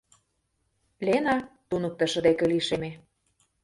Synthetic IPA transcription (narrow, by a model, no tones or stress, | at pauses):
lenɑt̪unɤ̆k̚t̪ɤ̆ʃə̆d̪ekeliʃeme